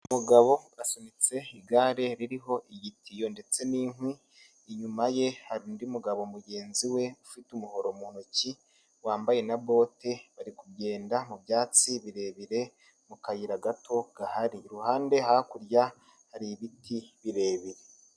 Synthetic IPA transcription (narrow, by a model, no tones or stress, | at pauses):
umuɡaβo̞̥asanit͡se̞iɡaɾe̞ɾiɾiɦo̞ʔiɟitʰijo̞ːnde̞t͡se̞niːŋwiː | ɲumaje̞haɾuːndiumuɡaβo̞muɟe̞ːnziwe̞ufitumuho̞ɾomuːnoci | waːmbaje̞naβo̞ːte̞βaɾikubɟe̞ːndamubjaːt͡siβiɾe̞ːβiɾe̞ | mukajiɾaɡatʰo̞ɡ̥ahaɾiɾuhaːnde̞hakuɾja | haɾiβitʰiβiɾe̞ːβiɾe